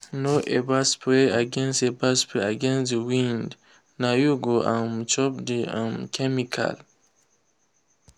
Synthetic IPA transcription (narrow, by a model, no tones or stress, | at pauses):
noʔebaspʰleaɡɛ̃nstebaspeaɡɛ̃nsdiwĩnd | najuɡoʔãmt͡ʃɔp̚deã̰mkʰɛmikʰa̰l